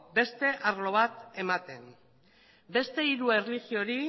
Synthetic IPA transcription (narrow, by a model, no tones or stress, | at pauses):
be̞st̪e̞ʔaɾlo̞β̞at̪e̞mat̪e̞m | be̞st̪e̞iɾue̞rliɣio̞ɾi